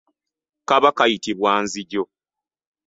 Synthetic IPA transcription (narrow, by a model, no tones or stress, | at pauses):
kaβakajitiβwaːnziɟo